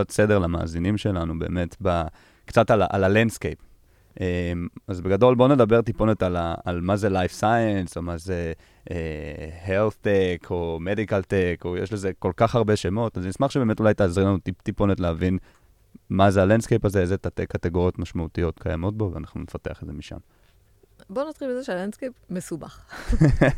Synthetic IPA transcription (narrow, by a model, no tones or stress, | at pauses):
atse̞deʁlama̰ːzinimʃe̞lanube̞̰ːme̞tba | kt͡satalaʔa̰lalendskejp | ʔemazbeɡado̞lbo̞ne̞dabe̞ʁt̪ipo̞netalaa̰lmaze̞lajfsajenso̞maze | ehelθtekʰo̞me̞dikalteko̞jḛʃleze̞ko̞lkaχaʁbe̞ʃe̞mo̞talznismaχʃebeme̞tulajt̪eazʁilanutit̪ipo̞netleavin | mazealendskejpazeezet̪atekːateɡo̞ʁjo̞t̪maʃmaut̪ijo̞t̪kʰajamo̞t̚bo̞veanaχnunefate̞aχedzemiʃa̰m | bonat̪χibezeʃealandskejpmesuba̰χ